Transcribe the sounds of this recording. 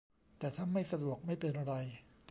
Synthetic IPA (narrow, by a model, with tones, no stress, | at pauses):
t̪ɛː˨˩t̪ʰaː˥˩nma˥˩jsa˧du˨˩ək̚ma˥˩jpe˧nʔa˧ɾa˧j